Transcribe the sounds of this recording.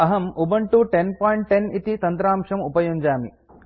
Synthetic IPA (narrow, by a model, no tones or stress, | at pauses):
ɐɦɐmubɐɳʈuʈenpaːjɳʈːenit̪it̪ɐnt̪ɾaːmʂɐmupɐjuɲd͡ʒaːmi